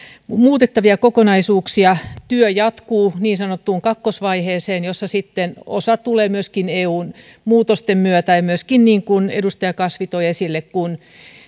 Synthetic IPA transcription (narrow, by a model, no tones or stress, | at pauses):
muːt̪et̪ːɑʋiɑkokonɑisuːksiɑt̪yøjɑt̪kuːniːnsɑnot̪ːuːŋkɑkːosʋɑiheːseːnjosːɑsit̪ːeno̰sɑt̪uleːmyøskineːuːn | muːt̪ost̪emmyøt̪æjɑmyøskinniːŋkunedust̪ɑjɑkɑsʋit̪oiesilːekkun